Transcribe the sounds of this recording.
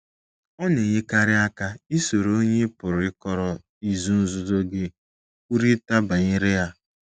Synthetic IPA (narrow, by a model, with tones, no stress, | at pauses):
ɔ˦ne˨ɲɪ˦ka˦ɾɪ˦a˦ka˦i˦so˨ɾo˦ɲe˦pʊ˨ɾʊ˨ɪ˦kɔ˦ɾɔ˨ | i˨zu˦n̩˦zʊ˦zo˦ɡɪ˦ | u˦ɾi˦ta˦ba˨ɲɪ˦ɾɪ˦ja˦